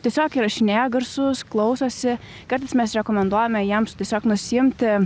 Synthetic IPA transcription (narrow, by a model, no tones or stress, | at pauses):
t̪ʲiɛsʲoːkiːɾɐʃʲnʲæːɡɐɾsʊsklˠɐʊsoːsʲɪ | kɐɾt̪ɐɪsmʲɛsɾʲɛkoːmʲɛnd̪uɔjɛmʲɛjiɛmstʲiɛsʲoːknʊsʲɪɪmʲt̪ʲ